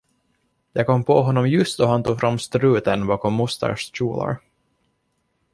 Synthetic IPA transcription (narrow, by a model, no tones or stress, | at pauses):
jɑːɡ̚kɔmːpʰɔɦɔnːɔmjɵst̪̚d̪ɔhant̪ʰuːɡfɾamːst̪ɾʉ̟ːt̪ənbɑːkɔmːʊst̪ʰə̰ʂɕuːla̰ɾ